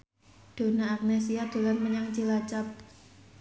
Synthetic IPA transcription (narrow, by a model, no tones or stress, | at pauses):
d̥o̤naːk̚nɛs̬iad̪̥o̤lanməɲaŋt͡ʃilat͡ʃap̚